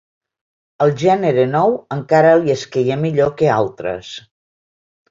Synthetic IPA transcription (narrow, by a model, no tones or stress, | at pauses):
əlˠʒɛnəɾenɔwəŋkaɾəliəskejemiʎokealˠt̪ɾə̰s